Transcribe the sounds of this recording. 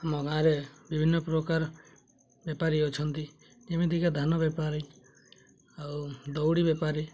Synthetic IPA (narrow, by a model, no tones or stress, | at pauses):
mɔɡãɾebibʱinːɔpɾokaɾ | bjapaɾiot͡ʃʰʌnt̪i | nemid̪ʱikad̪ʱanɔbjapaɾi | ad̪owɽibjepaɾi